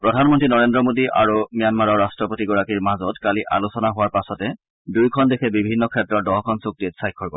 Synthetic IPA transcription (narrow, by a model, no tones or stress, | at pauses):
pɹɔdʱanmɔntɹinɔɹendɹɔmodiʔa̰ɹumijanmaɹɔɹastɹɔpotiɡɔɹakiɹmazɔtkaliʔa̰lusɔnaɦʊwaɹpasɔtɛ | dujkʰɔndekʰɛbibʱinːɔkʰɛtɹɔt̚dɔɦkʰɔnsuk̚tietsajkʰːɔɹɔ